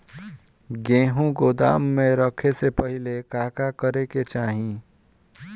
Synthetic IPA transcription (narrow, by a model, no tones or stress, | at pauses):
ɡẽɦũɡod̪a̰ːmːẽɾəkʰesepəɦɪlekaːkakəɾeket͡ʃaːɦĩ